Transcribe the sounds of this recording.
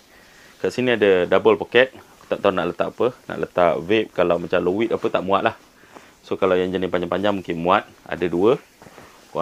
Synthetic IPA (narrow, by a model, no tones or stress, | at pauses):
kaʔsinĩadədabəlpokɛt̪̚ku̥t̪aʔ̚t̪aunaʔlət̪aʔapəna̰ʔlət̪aʔvep̚kalawmat͡ʃamlowit̪apət̪aʔmũa̰ʔlʔah | sokalawjaŋd͡ʒanipaɲd͡ʒaŋpaɲd͡ʒaŋmuŋkɪnmũat̪̚a̰daduə | k